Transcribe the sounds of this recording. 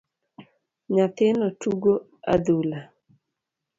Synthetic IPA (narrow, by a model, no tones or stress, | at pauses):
ɲat̪ɪnɔtuɡo | a̰d̪ula